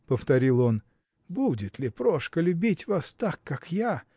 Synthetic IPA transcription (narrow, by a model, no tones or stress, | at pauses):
pəft̪ɐɾʲilˠo̞n | budʲɪt̪lʲɪpɾoʂkəlʲʊbʲitʲvast̪akːakja